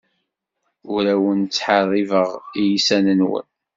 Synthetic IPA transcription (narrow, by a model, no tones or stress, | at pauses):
ʊɾæwənt͡sːħarˤːivəʁijisænənwə̰n